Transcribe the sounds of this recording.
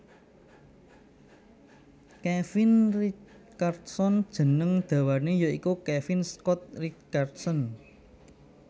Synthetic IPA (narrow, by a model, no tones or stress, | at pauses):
kɛfɪnri | t͡ʃart̪sɔnd̥ʒ̥ə̤nəŋd̪̥a̤wanejoikukɛfinskɔt̪̚rit͡ʃart̪sɔn